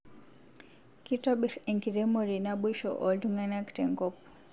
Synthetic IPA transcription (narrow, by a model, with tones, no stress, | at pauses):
ki˦tɔ˦ɓi˨ɾɛ˨ŋki˨ɾɛ˦mɔ˦ɾi˨na˦ɓu˦ʃɔ̰˨ʔɔ˨ldu˦ŋa˦na˦ktɛ˨ŋɡɔ˦pu̥˨